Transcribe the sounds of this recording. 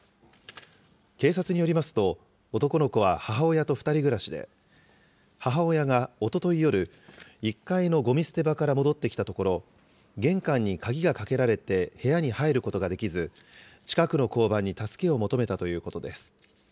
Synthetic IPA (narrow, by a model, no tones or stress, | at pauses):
ke̞ːsat͡sɨɲ̟ijo̞ɾʲimasɨ̥t̪o̞ | ot̪o̞ko̞no̞ko̞β̞ahaɦao̞jat̪o̞ɸɯ̥t̪aɾʲiɡɯ̟ɾaɕid̪ḛ | haɦao̞jaɡao̞t̪o̞t̪o̞ijo̞ɾɯ̟ | ikːaino̞ɡo̞mʲisɨ̥t̪e̞bakaɾamo̞d̪o̞t̪ːe̞kʲi̥t̪at̪o̞ko̞ɾo̞ | ɡẽ̞ŋkãɲ̟ːikaɡʲiɡakake̞ɾaɾe̞t̪e̞he̞jaɲ̟ihaeɾɯ̟ko̞t̪o̞ɡad̪e̞kʲizɨ | t͡ɕi̥kakɯ̟no̞ko̞ːbãɲ̟ːit̪asɨ̥ke̞o̞mo̞t̪o̞me̞t̪at̪o̞jɯ̟ːko̞t̪o̞d̪e̞sɨ̥